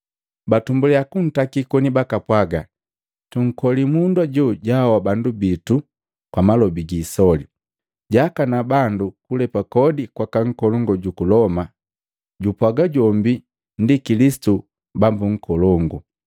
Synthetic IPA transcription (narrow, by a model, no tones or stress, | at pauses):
batumbulɛakun̩takikɔnibakapwaɡa | tuŋ̩kɔlimundwaɟuɟawabandubitu | kwamalɔbiɡisɔli | ɟakanabandukulɛpakɔdikwakaŋ̩kɔlɔŋɡɔɟukulɔma | ɟupwaɡaɟɔmbi | ndikilisi̥tu | bambuŋ̩kɔlɔŋɡɔ